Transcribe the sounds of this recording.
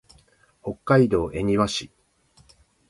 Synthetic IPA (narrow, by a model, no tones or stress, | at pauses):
ho̞kːaid̪o̞ːʔe̞ɲ̟iβaɕi